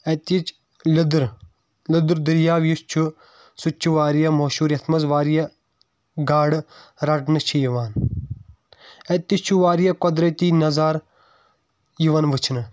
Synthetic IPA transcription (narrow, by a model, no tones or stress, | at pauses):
et̪it͡ʃ | ld̪ɾ | lɨd̪ɾd̪iɾjaːʋjist͡ʃʰu | sut͡ʃʰuʋaːɾjɐmoːʃuːɾjɐt̪ʰmɐzʋaːɾijɐ | ɡaːɽɾɐʈnɨt͡ʃʰijiʋaːn | et̪ist͡ʃʰuʋaːɾjɐkɔd̪ɾɐt̪iːnɐzaːɾ | jiʋɐnʋɨt͡ʃʰnɨ